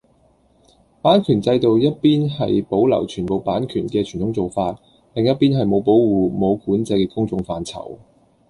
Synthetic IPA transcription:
paː˨˥nkʰyː˨˩nt͡sɐ˧jt̪o˨wjɐ˥t̚piː˥nɦɐ˨jpo˨˥wlɐ̰˨˩wt͡ʃʰyː˨˩npo˨wpaː˨˥nkʰyː˨˩nkɛː˧t͡ʃʰy˨˩nt̪ʰʊ˨˥ŋt͡so˨wfaː˧t̚ | lɪ˨ŋjɐ˥t̚piː˥nɦɐ˨jmo˨˧wpo˨˥wwuː˨mo˨˧wkuː˨˥nt͡sɐ˧jkɛ˧kʊ˥ŋt͡sʊ˧ŋfaː˨˧nt͡sʰɐ̰˨˩w

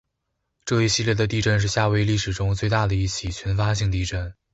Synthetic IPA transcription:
ʈ͡ʂɤ˥˧i˥˧ɕi˥˧ljɛ˥˩d̪ə˩t̪i˥˧ʈ͡ʂə˥˧nʂ̬ɻ̩˥˧ɕja˥˧we˥˧ɪli˥˩ʂɻ̩˨˩ʈ͡ʂʊ˥ŋt͡swe˥˧ɪt̪a˥˩d̪ə˩i˥˩t͡ɕʰi˨˩t͡ɕʰɥɛ˧˥nfa˥ɕi˥˧ŋt̪i˥˧ʈ͡ʂə˥˩n

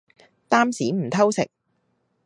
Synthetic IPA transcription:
t̪aː˥msiː˨˥m̩˨˩t̪ʰɐ˥wsɪ̰˨k̚

